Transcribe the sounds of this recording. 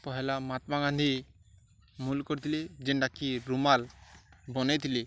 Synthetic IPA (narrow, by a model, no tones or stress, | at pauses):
pɔɦɛlamat̪maɡand̪ʱi | mulkɔɾit̪ʰilid͡ʒɛnɖakiɾumalbɔnet̪ili